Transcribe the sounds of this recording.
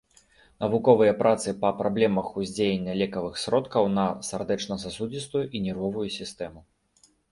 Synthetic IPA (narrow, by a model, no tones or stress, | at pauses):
nɐvukɔvɨjɐpɾʔat̪sɨpɐpɾablʲɛmɐxuzʲd͡zʲejenʲːɐlʲɛkɐvɨxsɾɔt̪kɐwn̪ɐsʲard̪ɛt͡ʂnɐsasud͡zʲist̪ujuʔinʲɛɾɔvujusʲist̪ɛmu